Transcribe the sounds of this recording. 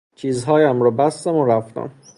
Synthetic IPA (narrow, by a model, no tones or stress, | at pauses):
t͡ʃʰiːzɦɒːjæmɾɒːbæst̪æmoɾæft̪æ̰m